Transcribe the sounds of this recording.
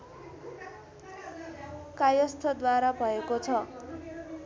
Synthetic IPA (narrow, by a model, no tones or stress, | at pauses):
kajʌst̪ʰʌd̪waɾabʱʌekot͡sʰʌ